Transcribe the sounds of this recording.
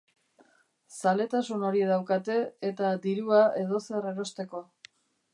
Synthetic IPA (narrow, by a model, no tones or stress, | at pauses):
sale̞t̪asuno̞ɾiðawkat̪e̞ːt̪ad̪iɾuaʔe̞ðo̞se̞re̞ɾo̞st̪e̞ko̞